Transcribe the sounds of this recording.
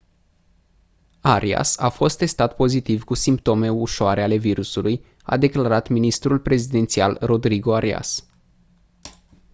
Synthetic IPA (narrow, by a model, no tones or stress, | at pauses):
aɾʔia̰safo̞st̪ːe̞st̪at̪po̞zit̪ivkusimpt̪o̞me̞uʃoaɾe̞ale̞viɾusuluj | a̰d̪e̞klaɾat̪minist̪ɾulpɾe̞zid̪e̞nt̪sialro̞d̪ɾiɡo̞aɾia̰s